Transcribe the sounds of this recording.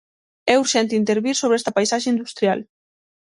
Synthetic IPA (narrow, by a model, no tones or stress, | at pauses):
ɛuɾʃɛnt̪int̪eɾβiɾsoβɛst̪apajsaʃeind̪ust̪ɾjal